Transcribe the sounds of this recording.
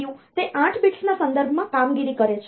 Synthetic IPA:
jũt̪eʔãʈʰbiʈsnasənd̪əɾbʱmãkamɡiɾikəɾet͡ʃʰe

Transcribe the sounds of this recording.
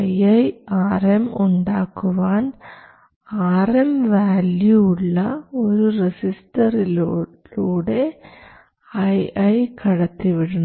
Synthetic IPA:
ɐjɐjaːremuɳɖaːkːuʋaːn | aːremʋaːljuːɭːɐoɾuresistɐril | luːɽe̞ | ɐjɐjkɐɽɐt̪ːiʋiɽun

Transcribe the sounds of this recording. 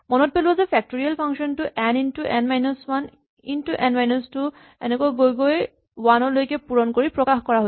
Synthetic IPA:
mɔnɔt̚pelubɔzɛpʰɛk̚toɹialpʰaŋʃɔntuʔɛnintuʔɛnmajnɔswan | intuʔɛnmajnɔstu | ɛnɛkajɡojɡoj | wanɔɹlojkɛpuɹɔnkoɹipɹɔkaxkɔɹaɦo

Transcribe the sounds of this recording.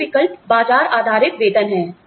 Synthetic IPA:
ɪkəlpbaːd͡ʒaːɾaːd̪ʱaːɾɪt̪ʋeːd̪ʱənɦɛː

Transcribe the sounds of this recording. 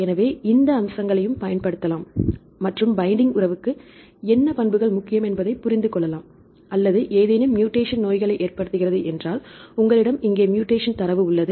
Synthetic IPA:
ɛnɐʋeːɪnd̪ɐːmsɐŋɡɐɭɐjɯmpɐjɐnpɐɽɯt̪ːɐlaːmː | ɐʈrɯmbɐɪɳɖɪŋɡʊrɐʋɯkːɯ | ɛnːɐpɐnbɯɣɐɭmʊkːɪjɐmɛnbɐðɐɪpːʊɾɪnd̪ɯkɔɭːɐlaːm | ɐlːɐðɯʔeːðenɯmːjuːʈeːʂɐnnoːjɣɐɭɐɪʔeːrpɐɽɯt̪ːɯɣɪrɐðɯʔɛndraːlʊŋɡɐɭɪɽɐmɪŋɡeːmjuːʈːeːʂɐnt̪ɐɾɐʋɯʊɭːɐðɯ

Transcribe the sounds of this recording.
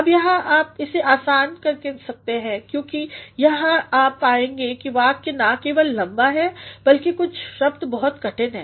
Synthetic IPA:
ɐbjɐɦãʔaːp̚ɪseʔaːsaːnkɐɾkesɐk̚t̪eɦɛ̃kjõːkijɐɦãaːpaːẽːŋɡekiʋaːkenakeːʋəlːɐ̃mbaɦɛbɐlkekʊt͡ʃʰʃɐb̚d̪bɔɦɔt̪kɐʈənɦɛ̰ː

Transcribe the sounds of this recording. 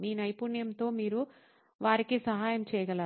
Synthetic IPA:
miːnɐjpunjɐmt̪o̞ːmiːɾu | ʋaːɾikisɐɦaːjɐmt͡ʃɛːjɐɡɐla

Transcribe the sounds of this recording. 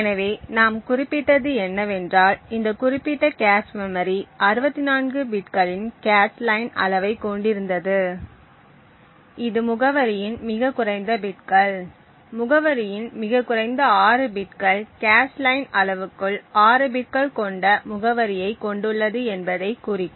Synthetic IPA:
ɛnɐʋeːnaːmkʊrɪpːɪʈːɐðɯɛnːɐʋɛndraːlɪnd̪ɐkʊrɪpːɪʈːɐkaːsmɛmɐɾiɐɾɯbɐt̪ːɪnaːnɡɯbɪʈkɐɭɪnkaːslɐɪnɐ̰lɐʋɐɪkːɔɳɖɪɾɯnd̪ɐðɯ | ɪðɯmʊɣɐʋɐɾɪjɪnmɪɣɐkʊrɐɪnd̪ɐbɪʈ̚kɐɭ | mʊɣɐʋɐɾɪjɪnmɪɣɐkːʊrɐɪnd̪ɐaːɾɯbɪʈkɐɭkaːslɐɪnɐɭɐʋɯkːɯɭaːɾɯbɪʈ̚kɐɭkɔɳɖɐmʊɣɐʋɐɾɪjɐɪkːɔɳɖɯɭːɐðɯɛnbɐðɐɪkːuːrɪ

